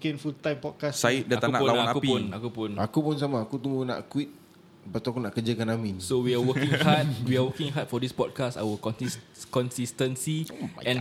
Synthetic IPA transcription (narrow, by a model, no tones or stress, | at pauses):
kinfult̪ãjmpɔt̚kassait̚dəkt̪analaaanakuipunakupʊ̃nakupuns̬amaːkut̪uŋɡuna̰ʔkwit̪̚ | pat̪uakunaʔkəd͡ʒəkanamĩnsowiawəkĩŋhat̚wiawəkĩŋɦat̚fɔdispɔt̚kasa̰wəkɔ̃niskɔ̃nsistə̃nsiɛ̃n